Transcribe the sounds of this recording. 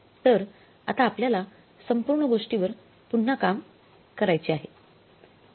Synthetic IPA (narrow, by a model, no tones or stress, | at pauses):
t̪əɾ | a̰t̪aːpljala | səmpuɾɳəɡoʂʈiʋəɾ | punːakam | kəɾajt͡ɕiaɦe